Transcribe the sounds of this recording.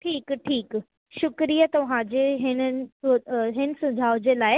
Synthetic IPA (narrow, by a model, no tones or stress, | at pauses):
ʈʰiːkʈʰiːk | ʃʊkɾijət̪ɐʋ̤ãd͡ʑeːɦɪn | ɦɪn̆sʊd͡ʑʱaːʊd͡ʑeːlaːɪ